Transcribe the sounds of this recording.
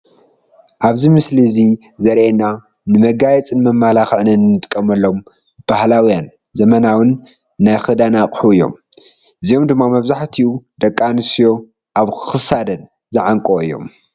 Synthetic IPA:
ʔaβzimɨslizi | zɐɾʔena | nɨmɐɡajɛt͡sʼɨnmɐmːalaxɨʕnɨnːɨt̪ʼkʼːɐmɐlːo̞m | b̥ahlawjan | zɐmɐnawɨnː | ajxɐd̪anaqʼħuɨjːo̰m | ʔɨzijo̞md̪ɨmːamɐβzaħt̪ʰiud̪ɐkʼːanɨsijo̞ | ʔaβkʰɨ̥xɨsad̪ɐn | zɨʕaŋkʼoɨjːo̞̰m

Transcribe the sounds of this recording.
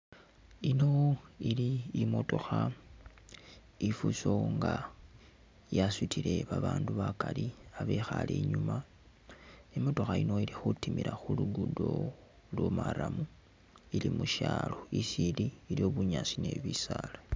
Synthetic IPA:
ino̞iliːmo̞to̞xa | ifuso̞ŋɡa | jasitʰile̞βaβaːnduβakaliaβe̞xalḛɲuma | imo̞to̞xaino̞ilixutimiɾaxulududo̞ | lwomaɾamu | ilimuʃaːlo̞isiliːlio̞βuɲasine̞̰βisalḁ

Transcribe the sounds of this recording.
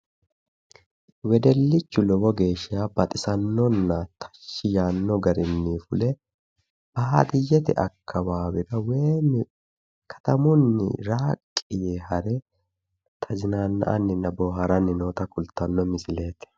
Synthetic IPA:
wɛd̪ɛlːɪt͡ʃːʊlɔbɔɡe̞ːʃɪjaːbɐt̪ʼɪsɐnːɔnːɐt̪ʰɐ̥ʃːɪjaːnːɔɡɐɾɪnːiːfʊlɛ | b̥ɐːad̪ɪjːɛt̪ɛ̰ʔɐkʰːɐbaːbɪɾɐweːnɪ | kʰɐ̥t̪ɐmʊnːɪ̰ɾaːkʼːɪjehɐɾɛ | t̪ʰɐzɪnaːnːɐ̰ʔɐ̰nːɪnɐboːɦɐɾɐnːɪno̞ːt̪ɐkʊlt̪ːɐnːɔmɪsɪle̞ːt̪ɛ̥

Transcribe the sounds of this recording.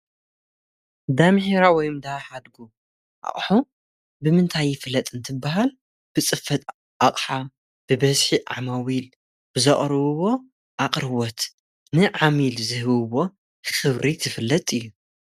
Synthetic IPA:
d̪amheɾawɔjmd̪aħad̪ɡu | ʔa̰χʼħu | bɨmɨnt̪ʰajːɪfɨlːɐt̪ʼɨnt̪ʰɨbːaɦal | b̥ɨt͡sʼɨfɐt̪ʼ | ʔaχʼħa | b̥ɨbɐzħiʔa̰mawil | b̥ɨzɐχʼɾɨβɨβo̞ | ʔaqʼɾɨwɔt̪ | nɨʕamilzɨhɨβɨβo̞ | xɨβɾit̪ʰɨfɨlːɐt̪ʼɨjːu

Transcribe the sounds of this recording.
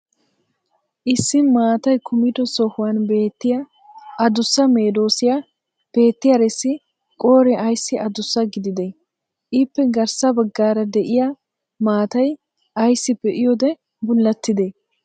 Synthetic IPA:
ʔɪsːɪmaːt̪ɐjkʊmɪd̪ɔsɔhʊwanbe̞ːt̪ːɪjɐ | ɐd̪ʊsːɐme̞ːd̪o̞ːsɪjɐ | b̥e̞ːt̪ːɪjɐɾɛsːɪ | kʼo̞ːɾɛʔɐjsːɪʔɐd̪ʊsːɐɡɪd̪ɪd̪ɛ | ʔɪpːɛɡɐɾsɐbɐɡːaːɾɐd̪ɛʔɪja | maːt̪ɐj | ʔɐjsːɪbɛʔɪjɔd̪ɛ | bʊlːɐt̪ːɪd̪e

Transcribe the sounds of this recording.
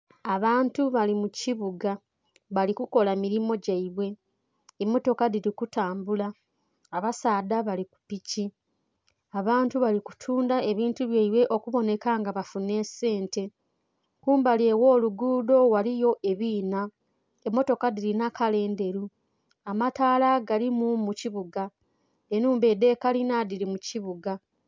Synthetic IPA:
aβaːntuβalimuciβuɡa | βalikuko̞lamiɾimo̞ɟaiβwe̞ː | mːo̞to̞kadiɾikutaːmbulaː | βasaːdaβaliku̥pici | aβaːntuβaliku̥tʰuːndae̞βiːntuβjaiβwe̞ʔo̞kuβo̞ne̞kaŋɡaβafune̞ːse̞ːnte̞ | kuːmbalje̞wo̞ːluɡuːdo̞walijo̞ʔe̞βiːna | emːo̞to̞kadiɾinakale̞ːnde̞ɾu | amataːlaɡalimumuciβuɡa | enuːmbe̞de̞kalinadiɾimuciβuɡa

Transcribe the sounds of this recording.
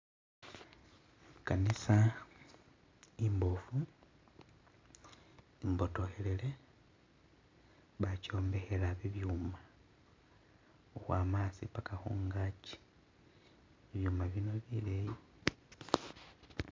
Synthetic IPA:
kanisa | imbo̞fu | imbo̞to̞he̞le̞le̞ | βaco̞ːmbe̞xe̞laβiβjuːma | oxwaːmaːsipakaxṵːŋɡaci̥ | βiβjuːmaβjino̞βileji

